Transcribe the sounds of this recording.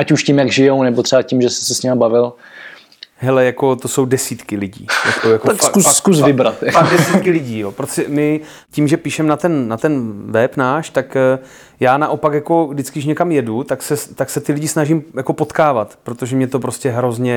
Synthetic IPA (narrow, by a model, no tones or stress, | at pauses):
ʔacuʃcimjaɡʒɪjownɛbot̪rɛbacimʒɛsɪ̥sɛsɲɛmabavɪl | ɦɛlɛjako̞t̪o̞so̞wdɛsiːt̪kɪlɪɟḭːjakojakoakusskusvvɪbɾat̪paɡdɛsiːt̪̚kɪlɪɟiːjopɾot̪o̥ɛmɪ | ciːmʒɛpiːʃɛmnat̪ɛnnat̪ɛnvɛpnaːʃt̪akː | jaːnaʔo̞pakjako̞ɡdɪt͡skɪdɪʃ̬ɲɛkamjɛdut̪aksɛt̪aksɛt̪ɪlɪɟɪsnaʒɪmjako̞po̞t̪kaːvat̪pɾot̪o̞ʒɛmɲɛt̪op̬ɾo̞scɛɦɾo̞zɲɛ